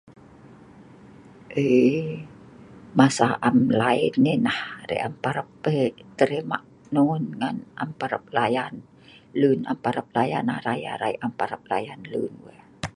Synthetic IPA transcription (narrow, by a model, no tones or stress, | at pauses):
ʔə | masaʔamlainːinahrḛʔampaɾəp̚ːət̪əɾima̰ʔ | nunŋanʔa̰mpaɾəp̚lajan | lunampaɾəp̚laja̰nahraja̰ɾaiʔampaɾəp̚lajanlṵnwə